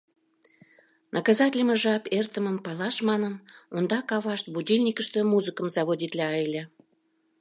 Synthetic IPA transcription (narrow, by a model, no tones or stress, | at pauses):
nʔəkɑzɑtʲɪlʲəmə̆ʒɑpert̪əməmpɑlɑʃmɑnənond̪ɑkɑβɑʃt̪̚budʲilʲnʲikəʃt̪ə̆muzɨkəmzɑβodʲit̪lʲɑɑjlʲe